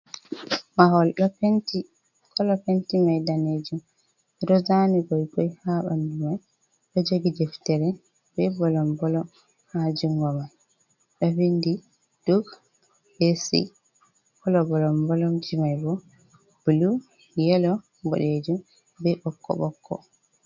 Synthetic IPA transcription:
maɦɔlɗɔpnti | kʰɔlɔpentimajdaned͡ʒum | ɾɔzanibɔjbɔjhaɓa̰ndumaj | ɗɔd͡ʒoɡidɛftɛɾɛ | bɛbɔlɔmbɔlɔm | had͡ʒuŋɡɔmaj | ɗɔwindi | d̥uɡ | besḭ | kɔlɔbɔlɔmbɔlɔmd͡ʒimajbɔ | b̥ulu | jɛlɔ | bo̰ɗed͡ʒum | bɛʔɔkːɔ̰ɓɔkʰːɔ̰

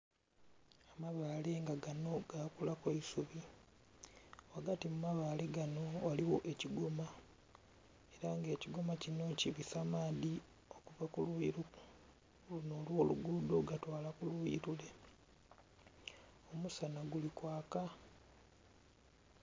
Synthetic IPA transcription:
amaβaːle̞ŋɡaɡano̞ɡakulakweisuβi | waɡatimumaβaːle̞ɡano̞waliwoʔeciɡoma | e̞ɾaŋɡe̞ːciɡomacino̞ciβisamaːði | o̞kuvakuliɾu | uno̞ːlwo̞ːluɡudo̞ɡatwaːlakulwuḭɾule̞ | omusanaɡulikwaːka

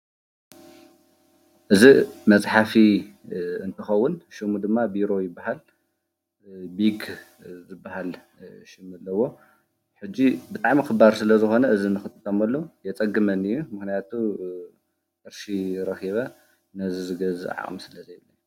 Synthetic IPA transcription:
ʔɨzimɐsʼħafi | ɨnt̪ʰɐxɐwːʊnʃimud̪ɨmːabiɾo̞jɪbːaɦal | biɡ | zɨbːaɦal | ʃɪmɐlːɐwːo̞ | ħɨd͡ʒːibɨt̪ʼaʕmixɨbaɾsɨlɐzɨxo̞nɐʔɨzinɨxɨt̪ʼɨt̪ʼːɐmɐlːojɛt͡sʼɐɡːɨmɐnɨjːumɨxnijat̪ʰu | ʔɨɾʃiɾɐxiβɐ | nɐzizɨɡɐzɨa̰ʕ̰ʔʼmsɨlɐzɐjɛlːɐu

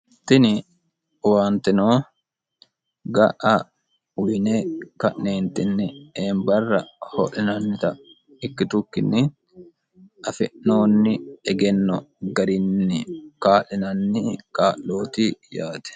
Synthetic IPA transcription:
t̪ɪnɪ | waːnt̪ɪnoː | ɡɐʔɐ | ʊjneːkɐʔneːnt̪ɪnːɪeːmbɐrːɐhɔ̰ʔɪnɐnt̪ɐ | ɪkːɪt̪ʊkːɪnːɪ | ʔɐfɪʔno̞ːnːɪɛɡɛnːɔɡɐɾɪnːɪkaːlɪnɐnːɪkaːlːo̞ːt̪iːjaːt̪ɛ̥

